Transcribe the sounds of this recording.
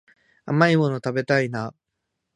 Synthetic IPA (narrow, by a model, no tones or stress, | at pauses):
a̰maimo̞not̪abe̞t̪aina